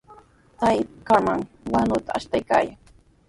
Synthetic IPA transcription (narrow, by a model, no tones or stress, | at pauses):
t̪ajkamaŋ | wanʊt̪aaʃt̪ajka̰ːjaŋ